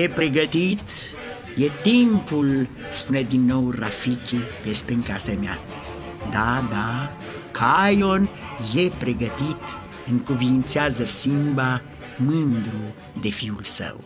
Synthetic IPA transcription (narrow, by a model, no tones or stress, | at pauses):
epɾeɡət̪it̪ | jet̪impul | spuned̪inːowrafikipest̪əŋkasemja̰t͡sə̥ | d̪ad̪a | kʰajon | jepɾeɡət̪it̪ | ɨŋkuviint͡sjazəsimba | mɨnd̪ɾu | d̪efiulsə̰w